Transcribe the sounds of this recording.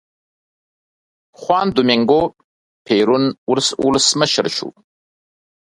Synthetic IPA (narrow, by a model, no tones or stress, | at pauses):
χwɑːnd̪ʊmiŋɡo | pʰeɾunulsṵləsməʃəɾʃṵ